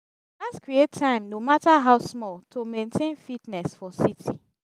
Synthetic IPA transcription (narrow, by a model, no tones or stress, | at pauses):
laskɹietʰːãɪ̃mnomataɦaʊsmɔltʰomẽntʰẽnfitnɛsfɔsitʰi